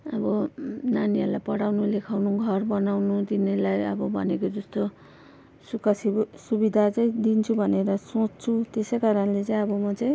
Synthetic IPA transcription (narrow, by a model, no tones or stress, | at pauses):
ʌbʌnaniʌɾulajpʌɽawnulekʰawnuɡʱʌrbʌnawnut̪inelajʌbʌbʱʌnekod͡zʌst̪o | sukasisubid̪ʱat͡sʌĩd̪int͡sʰubʱʌneɾʌsot͡sːt͡sʰut̪esʌjkaɾʌnlet͡saij̃ʌbʌmʌt͡saĩ